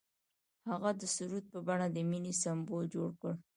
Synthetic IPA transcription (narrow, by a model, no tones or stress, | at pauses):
haɣad̪əsuɾud̪̚pəbaɽad̪əminisambold͡ʒoɽkəɽ